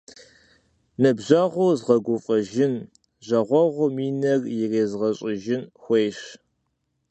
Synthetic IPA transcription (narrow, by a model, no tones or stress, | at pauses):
nɨbʑɐʁʷʊzʁɐɡʷʊfʼɐʒɪn | ʑɐʁʷɔʁʷʊmiːnɐrjɪreːzʁɐɕʼɪʒɪnxʷejɕ